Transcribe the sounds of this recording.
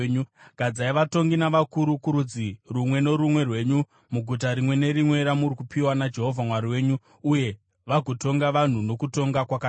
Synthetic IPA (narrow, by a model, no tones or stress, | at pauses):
ɲuɡ̥ʱad͡zaiʋato̞ŋɡinaʋakuɾukuɾud͡zirumwe̞no̞ɾumwe̞rwe̞ːɲu | muɡʱut̬aɾimwe̞ne̞ɾimwe̞ɾamurikupʰiwanad͡ʒe̞ɦo̞vʱamwaɾiwe̞ːɲu | uje̞ | ʋaɡʱoto̞ŋɡaʋan̤uno̞kuto̞ŋɡakwaka